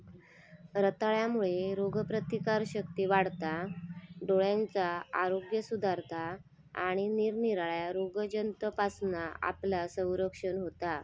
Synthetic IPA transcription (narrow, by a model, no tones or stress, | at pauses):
ɾət̪aɭjamuɭeɾoɡpɾət̪ikaɾɕək̚t̪iːʋaɽt̪aɖoɭjant͡saa̰ɾoɡjəsud̪ʱaɾt̪ʰa | aɽ̃iniɾniɾaɭjaɾoɡd͡ʑənt̪əpasnaa̰plasə̃w̃ɾəkʂənɦot̪a